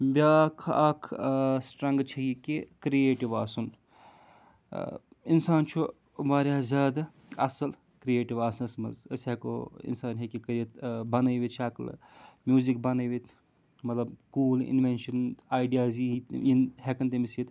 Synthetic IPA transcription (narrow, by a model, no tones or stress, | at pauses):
bʲaːkʰɐkʰsʈɾɐ̃ŋɡt͡ʃʰɐikekɾieːʈiʋaːsun | insaːnt͡ʃʰu | maːɾjaːzʲaːd̪a | ɐ̰sɐl | kɾieːʈiʋaːsɐnɐsmɐ̰zɐ̰sɦeko̰ḭnsaːnɦekikɐɾit̪bɐnɐjʋit̪̚t͡ʃʰɐːkl̰ | mjuːzik̚bɐnɐjʋit̪ʰ | mɐt̪lɐbkuːlḭnʋenʃɐnaːjɖijaːzit̪inɦekɐnt̪emisit̪